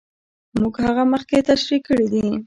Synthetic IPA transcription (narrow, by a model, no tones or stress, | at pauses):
muɡhaɣaməxket̪aʃɾikːəɽid̪i